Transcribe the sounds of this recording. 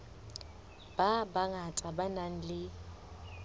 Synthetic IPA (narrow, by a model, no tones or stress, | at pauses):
b̥abaŋat͡sʼabanaŋ̩lɪ